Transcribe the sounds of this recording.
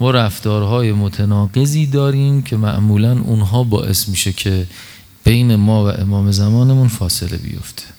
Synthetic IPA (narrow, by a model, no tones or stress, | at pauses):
mɒːɾæft̪ɒːɾɦɒːje̞mot̪ʰenɒːɢe̞ziːd̪ɒːɾiːmcʰe̞mæ̰ʔmuːlænunɦɒːbɒ̰ːʔe̞̰smiːʃecʰe | b̥e̞jnemɒːvæ̰ʔemɒːme̞zæmɒːne̞munfɒːse̞lḛbḭjo̰ft̪ʰe̥